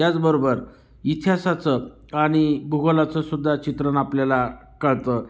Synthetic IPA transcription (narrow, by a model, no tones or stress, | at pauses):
jat͡sbəɾobəɾ | it̪ʰijasat͡sə | aɽ̃ibʱuɡolat͡səsud̪ʱːat͡ɕit̪ɾənapljala | kəɭt̪ə